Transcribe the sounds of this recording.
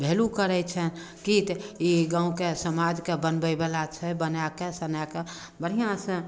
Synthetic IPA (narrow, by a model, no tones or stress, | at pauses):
bʱelukəɾɛt͡ʃʰən | kit̪iɡãũkesəmad͡ʒkebənbəbelat͡ʃʰɛbənakesənake | bəɽ̤ijãsə̃